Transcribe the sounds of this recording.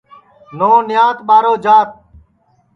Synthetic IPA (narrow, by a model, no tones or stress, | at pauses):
noːnɪjaːt̪ɓaːɾoːd͡ʒaːt̪̚